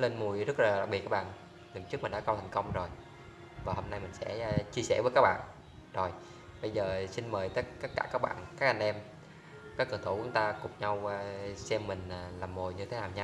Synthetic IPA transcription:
le˧nmu˨˩əjzə˦˥t̚laː˨˩ɗaː˨˩i˨˩kːaː˦˥ɓa̰ː˧˨n | ŋɨ˨˩t͡ɕɨ˦˥k̚mï˨˩ŋɗ̰ːkə˧wt̪ʰjŋ̟kə˧wŋ͡mzo˨˩j | vaː˨˩ho˧mna˧jmï˨˩ŋ̟sɛ̰˧˥t͡ɕi˧əsɛ̰˧˩vəː˨˦kaː˦˥k̚ɓa̰ː˧˨n | zo˨˩j | ɓə˧jzəː˨˩si˧nməː˨˩jt̪ə˦˥t̚ka˦˥k̚kaː˧˩kaː˦˥k̚ɓa̰ː˧˨nkaː˦˥k̚ʔa˧ŋ̟ʔɛ˧m | kaː˦˥kːɨ˨˧˩t̪ʰu˧˩kʊ˨˦ŋ͡mt̪aː˧kʊ˨˩ŋ͡mɲa˧wsɛ˧mːï˨˩ŋ̟ː˨˩laː˨˩mːo˨˩jɲɨ˧t̪ʰe˨˦naː˨˩wɲa˧

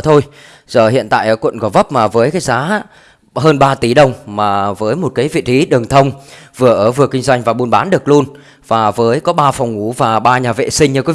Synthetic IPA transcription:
t̪ʰo˧j | zəː˧˩hḭ˧˨ənt̪a̰ː˧˨jʔəː˧˩kwə̰˧˨nkɔ˨˦və˦˥p̚maː˨˩vəː˨˦jkaː˨˦jzaː˨˦ | ɦəː˧nɓaː˧t̪i˨˩˦ɗə˨˩wŋ͡mmaː˨˩vəː˨˦jmo˨˩t̚kaː˨˦jvḭ˧˨t͡ɕi˨˦ɗɨ˨˩əŋt̪ʰə˧wŋ͡mvɨ˨˩əʔəː˧˩vɨ˨˩əkï˧ŋzwa˧jŋ̟vaː˨˩ɓu˧nɓaː˨˦nɗɨ˨˩ək̚lu˧ən | vaː˨˩vəː˨˦jkɔ˨˦ɓaː˧fɔ˨˩wŋ͡mŋu˧˩vaː˨˩ɓaː˧ɲaː˨˩vḛ˧˨sï˧ŋ̟ɲɨ˧kɔ˨˦

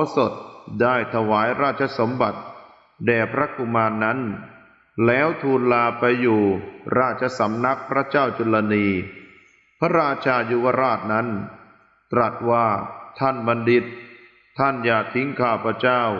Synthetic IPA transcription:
ɔ˦so˨˩t̪̚daː˥˩jt̪ʰa˧waː˩˦jɾaː˥˩t̪̚t͡ɕʰa˧so˩˦mba˨˩t̪̚ | dɛː˨˩pʰɾa˦˥ku˧˩maː˧nːa˦˥n | lɛː˦˥wt̪ʰuː˧nlaː˧pa˧jːuː˨˩ɾaː˥˩t̪̚t͡ɕʰa˧sa˩˦mna˦˥k̚pʰɾa˦˥t͡ɕaː˥˩wt͡ɕu˧la˧niː˧ | pʰa˦˥ɾaː˧t͡ɕʰaː˧ju˧wa˧ɾaː˥˩t̪̚na˦˥n | t̪ɾa˨˩t̪̚waː˥˩t̪ʰa˥˩nba˧ndi˧˩t̪̚ʰː | a˥˩njaː˨˩k̚t̪ʰi˦˥ŋkʰaː˥˩pʰɾa˦˥t͡ɕaː˥˩w

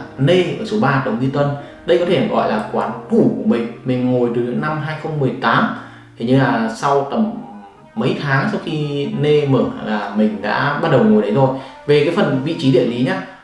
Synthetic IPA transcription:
ne˧ʔəː˧˩so˨˦ɓaː˧ɗə˨˩wŋ͡mɲi˧t̪wə˧n | ɗə˧jkɔ˨˦e˧˩nə˨˩ɣɔ̰˧˨jlaː˨˩kwaː˨˦nt̪u˧˩ku˧˩əmï˨˩ŋ̟mï˨˩ŋ̟ŋo˨˩jt̪ɨ˨˩ɗə˨˦ŋna˧mɦaː˧jxə˧wŋ͡mːɨ˨˩əjt̪aː˨˦m | t̪ʰi˨˩ɲɨ˧laː˨˩sa˧wt̪ə˨˩mː | ə˨˦jt̪ʰaː˨˦ŋsa˧wxi˧ne˧məː˧˩a˨˩laː˨˩mï˨˩ŋ̟ɗa̰ː˧˥ɓaː˧t̚ɗə˨˩wŋo˨˩jɗə˨˦jzo˨˩jve˨˩kaː˨˦jfə˨˩nvḭ˧˨t͡ɕi˨˦ɗḭ˧˨li˨˦ɲaː˧

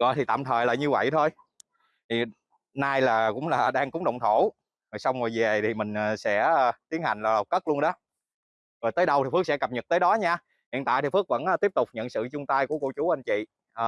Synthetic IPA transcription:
ɣɔ̰˧˨jt̪ʰi˨˩t̪a̰ː˧˨mt̪ʰəː˨˩jlaː˨˩ɲɨ˧və̰˧˨jt̪ʰo˧j | t̪ʰi˨˩ | naː˧jlaː˨˩kʊ̰˧˥ŋ͡mlaː˨˩ɗaː˧ŋkʊ˨˦ŋ͡mɗə̰˨˧˨wŋ͡mt̪ʰo˧˩ | zo˨˩jsa˧wŋ͡mo˨˩jve˨˩t̪ʰi˨˩mï˨˩ŋ̟ː˨˩sɛ̰˧˥˧t̪i˨˦ənha˨˩jŋ̟laː˨˩lə˨˩w̚kə˦˥k̚lu˧ənɗɔ˨˦ | zo˨˩jt̪əː˨˦jɗə˧wt̪i˨˩fɨ˦˥ək̚sɛ̰˧˥kə˨˩p̚ɲə˨˩t̚t̪əː˨˦jɗɔ˨˦ɲaː˧ | hḭ˧˨ənt̪a̰ː˧˨jt̪ʰi˨˩fɨ˦˥ək̚və˧˥nʔ̪i˦˥əp̚t̪ʊ˨˩k͡p̚ɲə̰˧˨nsɨ̰˧˨t͡ɕʊ˧ŋ͡mt̪aː˧jku˧˩əkṵ˧˩˨t͡ɕu˨˦ʔa˧jnt͡ɕḭ˧˨

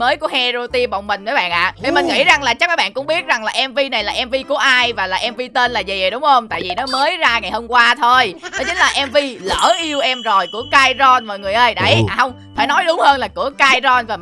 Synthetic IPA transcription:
məː˨˦jku˧˩əhɛ˧zo˧t̪i˧ɓo̰˨˩wŋ͡mmï˨˩ŋ̟mə˨˦jɓa̰ː˧˨nʔa̰ː˧˨ni˨˩mï˨˩ŋ̟ŋḭ˧˥za˨˩ŋlaː˨˩t͡ɕa˦˥k̚aː˧˦jɓa̰ː˧˨nkʊ̰˧˥˦ŋ͡mɓi˦˥ət̚za˨˩ŋlaː˨˩ʔɛ˧mvi˧na˨˩jlaː˨˩ʔɛ˧mvi˧ku˧˩əʔaː˧jvaː˨˩laː˨˩ʔɛ˧mvi˧t̪e˧nlaː˨˩zi˨˩zjɗʊ˨˦ŋ͡mhə˧wŋ͡mt̪a̰ː˧˨jvi˨˩nɔ˨˦məː˨˦jzaː˧ŋa˨˩jho˧mkwaː˧t̪ʰo˧jnɔ˨˦t͡ɕï̟˨˦laː˨˩ʔɛ˧mvi˧lə̰ː˧˩ʔi˧əwʔɛ˧mzo˨˩jku˧˩əkaː˧jzɔ˧nmɔː˨˩jŋɨ˨˩əjʔə˧jɗə˧˩ja˨˩hə˧wŋ͡m | faː˧˩nɔ˨˦jɗʊ˨˦wŋ͡mhəː˧nlaː˨˩kɨ̰˧˩əkaː˧jzɔ˧nvaː˨˩

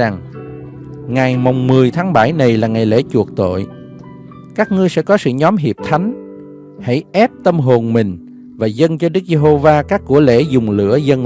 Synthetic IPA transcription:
a˨˩ŋ | ŋa˨˩jma˨˩wŋ͡mmɨ˨˩əjt̪ʰaː˨˦ŋɓa˧˩jna˨˩jlaː˨˩ŋa˨˩jlḛ˧˥t͡ɕu˨˩ək̚t̪o̰˧˨j | kaː˦˥k̚ŋɨ˧əjsɛ̰˧˥kɔ˨˦sɨ̰˧˨ɲɔ˨˦mɦi˨˩əp̚t̪ʰa˨˦jŋ̟ | ha̰˧˥jʔɛ˦˥p̚t̪ə˧mɦo˨˩nmï˨˩ŋ̟ | vaː˨˩zə˧nt͡ɕɔ˧ɗɨ˦˥k̚ze˧ɦo˧vaː˧kaː˦˥kːu˧˩əlḛ˧˥zʊ˨˩ŋ͡mlɨ̰˧˥əzə˧n

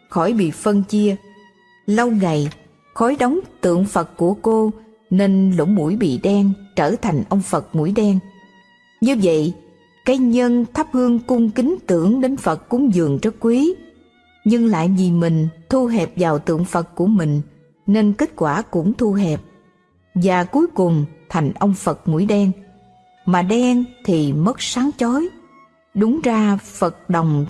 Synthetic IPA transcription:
xɔ˧˩jɓḭ˧˨fə˧nt͡ɕi˧ə | lə˧wŋa˨˩j | xɔ˨˦jɗə˨˦wŋ͡mt̪ɨ̰˧˨əŋfə˨˩t̚ku˧˩əko˧ | ne˧nlo̰˧˥ŋ͡mmu˧˩jɓḭ˧˨ɗɛ˧ŋt͡ɕəː˧˩t̪ʰa˨˩jŋ̟ʔə˧wŋ͡mfə˨˩t̚mu˧˩jɗɛ˧ŋ | ɲɨ˧və̰˧˨j | kaː˨˦jɲə˧nt̪ʰa˦˥p̚hɨ˧əŋkʊ˧ŋ͡mkï˨˦ŋ̟t̪ɨ˧˩əŋɗe˨˦nfə˨˩t̚kʊ˧˥ŋ͡mzɨ˨˩əŋt͡ɕɔ˦˥k̚kwi˨˦ | ɲɨ˧ŋla̰ː˧˨jvi˨˩mï˨˩ŋ̟t̪ʰu˧ɦɛ˨˩p̚vaː˨˩wt̪ɨ̰˧˨əŋfə˨˩t̚ku˧˩əmï˨˩ŋ̟ | ne˧nke˦˥t̚kwaː˧˩kʊ̰˧˥ŋ͡mt̪ʰu˧ɦɛ˨˩p̚ | vaː˨˩ku˨˦jkʊ˨˩ŋ͡mt̪ʰa˨˩jŋ̟ʔə˧wŋ͡mfə˨˩t̚ŋṵ˧˩jɗɛ˧ŋ | maː˨˩ɗɛ˧ŋt̪ʰi˨˩mə˦˥t̚saː˨˦ŋt͡ɕɔ˨˦j | ɗʊ˨˦ŋ͡mzaː˧fə˨˩t̚ɗə˨˩wŋ͡m

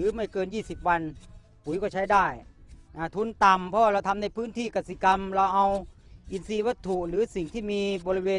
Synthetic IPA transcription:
ɯː˨˦ma˥˩jkɤː˧njiː˥˩si˨˩p̚wa˧n | pʰu˨˩˦jkɔː˥˩t͡ɕʰa˦˥˩jdaː˥˩jʔaː˧˩t̪ʰu˧nt̪a˨˩mpʰɔ˧˦waː˧˩ɾa˧wt̪ʰa˧mna˧˩jpʰɯː˥˩nt̪ʰiː˥˩ka˨˧t̪̚si˧˩ka˧mɾa˧wʔa˧w | ʔi˨˧nsiː˧wa˦˥t̪ʰːu˨˩ʔɾɯː˨˦si˨˩ŋt̪ʰiː˥˩miː˧bɔː˧ɾi˦˧weː˧

